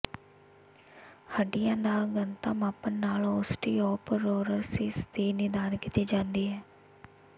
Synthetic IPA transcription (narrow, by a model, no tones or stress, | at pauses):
həɖɪjãːnaːɡənt̪aːmaːpənːaːlɔːsʈiːɔːpəɾoːɾəɾsiːsd̪iːnɪd̪aːnkit̪iːd͡ʒãːnd̪iːɦɛː